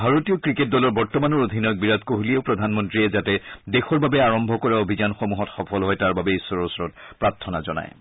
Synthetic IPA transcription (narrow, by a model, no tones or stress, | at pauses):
bʱaɹotijokɹiket̚dɔlɔɹbɔɹtɔmanɔɹod̪ʱinɔjɔk̚biɹat̪koɦulieʊpɹɔdʱanmɔntɹiɛzatɛdexɔɹbabɛaɹɔmbʱɔkɔɹaobʱizanxomuɦɔtxɔpʰɔlɦɔjtaɹbabɛisɔɹɔsɔɹɔt̚pɹaɹtʰːɔna̰zɔna̰j